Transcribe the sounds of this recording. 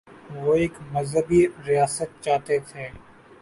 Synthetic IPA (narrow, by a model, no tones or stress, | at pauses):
ʋoːeːkmɐzɦəbiɾijaːsət̪̚t͡ʃaːt̪et̪ʰeː